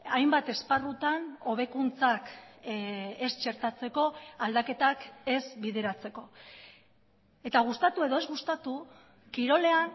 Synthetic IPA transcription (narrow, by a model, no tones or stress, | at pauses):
ajmbat̪e̞sparut̪ano̞β̞e̞kunt͡sak | est͡ʃe̞ɾt̪at͡se̞ko̞ald̪ake̞t̪ake̞zβiðe̞ɾat͡se̞ko̞ | e̞t̪aɣ̞ust̪at̪ue̞ðo̞e̞zɣust̪at̪u | kiɾo̞le̞an